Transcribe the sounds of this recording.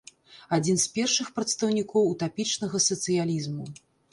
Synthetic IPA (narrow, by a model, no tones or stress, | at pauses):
ad͡zʲinspʲɛrʂɨxpɾɐt̪st̪ɐwnʲikɔwut̪apʲit͡ʂnɐɣɐsɐt̪sɨjalʲizmu